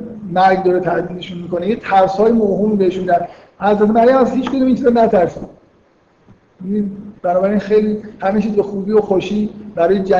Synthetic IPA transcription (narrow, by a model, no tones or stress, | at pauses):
mæɾɡd̪ɒːɾet̪ʰæʔd̪iːd̪eʃunmiːkonejet̪ʰæɾshɒːjimoɦuːmibeeʃumid̪æd̪ | hæzɾæt̪ʰemæɾjæmæzhiːt͡ʃkod̪uːmint͡ʃʰiznæt̪ʰæɾsi | inb̥ænɒːbæɾiːnxejliːhæmet͡ʃʰiːzbexuːbiːoxoʃiːbæɾɔːjed͡ʒæ